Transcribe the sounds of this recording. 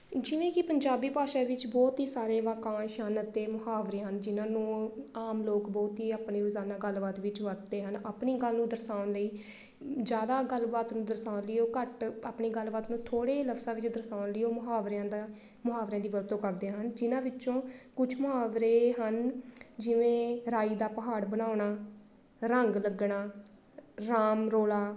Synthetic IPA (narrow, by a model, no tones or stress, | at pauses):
d͡ʒɪʋẽːkɪpəɲd͡ʒaːbiːpaːʃaːʋɪt͡ʃbɔːt̪ɦiːsaːɾeːʋaːkãːʃaːnət̪eːmʊɦaːʋɾeːɦənd͡ʒɪnãːnũːaːmloːkbɔːt̪ɦiːaːpneːɾʊzaːnãːɡəlbaːt̪ʋɪt͡ʃʋəɾ̚d̪eːɦənaːpɳiːɡəlnũːd̪əɾsaːʊnləiː | d͡ʒjaːd̪aːɡəlbaːt̪nũːd̪əɾsaːʊnlɪjoːkəʈaːpɳiːɡəlbaːt̪nũːt̪ʰoːɽeːləfsãːʋɪt͡ʃd̪əɾsaːʊnlɪoːmʊɦaːʋɾjãːd̪aː | mʊɦaːʋɾjãːd̪iːʋəɾt̪õːkəɾd̪eːɦənd͡ʒɪnãːʋɪt͡ʃt͡ʃõːkʊt͡ʃʰmʊɦaːʋɾeːɦənd͡ʒɪʋẽːɾaːiːd̪aːpəɦaːɽbənaːʊɳaː | ɾəŋɡləɡɳaː | ɾaːmɾoːlaː